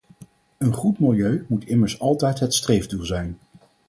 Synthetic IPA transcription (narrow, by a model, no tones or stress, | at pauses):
ənχutmɪlˠjøɥmutɪməɹsɑlˠtɛjtɦətstrejvdulˠzɛjn